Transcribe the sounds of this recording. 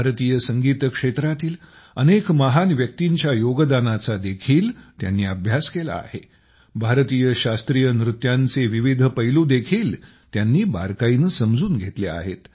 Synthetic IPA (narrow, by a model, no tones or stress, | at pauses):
bʱaɾt̪iːjəsəŋɡiːt̪əkʂet̪ɾat̪iːl | ənekməɦanʋjək̚t̪iɲt͡ɕjajoɡəd̪anat͡sad̪ekʰiːlt̪ja̰nːiːəbʱjaskela̰a̰he | bʱaɾt̪iːjəɕast̪ɾijənɾut̪jant͡seʋiʋid̪ʱəpəjluːd̪ekʰiːl | t̪janːiːba̰ɾkainəsəmd͡zuːnɡʱet̪lea̰ɦet̪